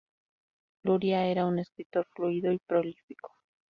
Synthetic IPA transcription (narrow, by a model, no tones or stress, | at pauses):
luɾjae̞ɾaune̞skɾit̪o̞ɾfluiðo̞ipɾolifi̥ko̥